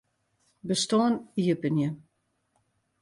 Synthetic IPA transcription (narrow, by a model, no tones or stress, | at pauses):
bəstoəniəpənjə